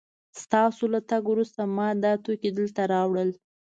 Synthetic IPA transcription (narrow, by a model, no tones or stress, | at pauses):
st̪ɑsolat̪aɡwɾust̪amɑd̪ɑt̪oked̪əlt̪aɾɑwɽəl